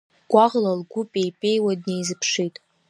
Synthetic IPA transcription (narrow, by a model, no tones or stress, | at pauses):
ɡ̥ʷaʁlalɡʷʊpʼejpʼe̞jwadnejzɨpʰʂitʼ